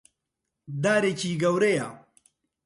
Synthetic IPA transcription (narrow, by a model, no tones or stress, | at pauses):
d̪aːɾet͡ɕiːɡɐwɾejaː